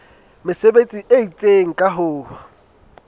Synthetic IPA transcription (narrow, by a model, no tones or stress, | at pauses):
mɪsebet͡sʼiʔeit͡sʼeŋ̩kʼaɦoːwa